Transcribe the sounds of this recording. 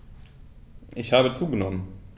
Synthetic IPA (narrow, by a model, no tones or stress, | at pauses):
ʔɪçhaːbət͡suːɡənɔmən